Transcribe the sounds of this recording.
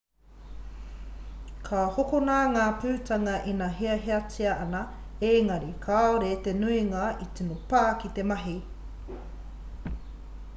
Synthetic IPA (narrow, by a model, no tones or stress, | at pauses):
kʰahokonaŋaːpʉːtɐŋɐʔinɐɦeɐɦeɐt͡siɐʔɐnɐ | eŋɐɾikʰaoɾet̪enuiŋɐit͡sinopaːkit̪emɐɦi